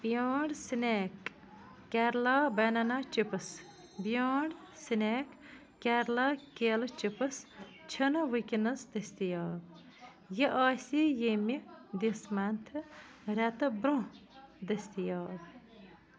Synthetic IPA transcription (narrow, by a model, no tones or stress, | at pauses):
b̥ijaːɳɖsineːkː | ɛɾlaːbɐnɐnaːt͡ʃipəs | bijaːɳɖsineːkː | ɛɾlakeːlt͡ʃipɐs | t͡ʃʰɐnɐʋɨkʲinɐsd̪ɐsʲt̪ijaːb | jeʔaːsijemid̪ismant̪ʰɨ | ɾɛt̪ɨbɾõd̪ɐsʲt̪ijaːb